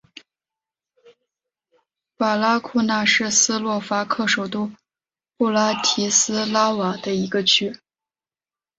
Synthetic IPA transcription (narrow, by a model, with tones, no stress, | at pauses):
pa˨˩la˥kʰu˥˧na˥˧ʂɻ̩˥˩sɹ̩˥lwɔ˥˩fa˥kʰɤ˥˩ʂo˨˩ʊt̪u˥˧ | pu˥˩la˥t̪ʰi˧˥sɹ̩˥la˥wa˨˩d̪ə˦i˧˥ɡə˧t͡ɕʰy˥